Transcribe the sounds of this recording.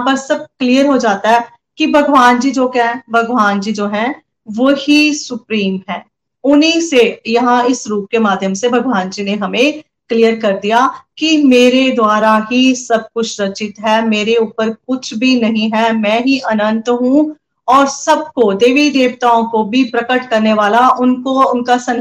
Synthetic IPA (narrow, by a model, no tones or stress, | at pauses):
bɐsɐb̚kliːjəɾɦod͡ʒaːt̪aɦɛ | kibʱɐɡʋaːnd͡ʒid͡ʒoːkɛ̃bʱɐɡʋaːnd͡ʒid͡ʒoːɦɛ̃ | ʋoːhisʊpɾiːmɦɛ̃ː | ʊnɦĩsejɐɦãɪsɾuːp̚kemaːd̪ʱjəmsebʱɐɡʋaːnd͡ʒineɦɐmẽ | klijəɾkɐɾd̪ijakimeːɾed̪waːɾaɦisɐb̚kʊt͡ʃʰɾɐt͡ʃɪt̪ɦɛːmeːɾeuːpəɾkʊt͡ʃʰbʱinɐɦĩɦɛmɛ̃ːɦiʔɐnə̃nt̪ɦũ | ɔːɾsɐb̚kod̪eːʋid̪eːʋt̪aːõkobʱipɾɐkəʈkɐɾneʋaːlaʔʊnkoʊnkasɐ̃n